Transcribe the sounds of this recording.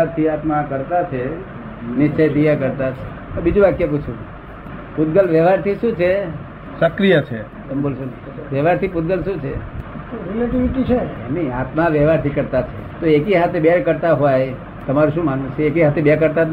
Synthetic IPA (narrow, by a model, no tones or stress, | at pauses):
aɾt̪ʰiat̪makəɾt̪at͡ʃʰe | nɪʃt͡ʃejt̪ijakəɾt̪at͡ʃʰe | bid͡ʒũbat̪̚kjeput͡ʃʰũ | put̪̚ɡəlʋjəʋ̤aɾt̪ʰiʃũt͡ʃʰe | səkɾijət͡ʃʰe | t̪əmbolʃon | ʋjɛʋaɾt̪ʰiput̪̚ɡəlʃũt͡ʃʰe | ɾeleʈiʋiʈit͡ʃʰemiat̪maʋjɛʋaɾt̪ʰikəɾt̪at͡ʃʰḛ | t̪oekiɦat̪ʰebeɾkəɾt̪aɦoaj | t̪əmaɾuʃũmanũt͡ʃʰeekiɦat̪ʰebaɾkəɾt̪a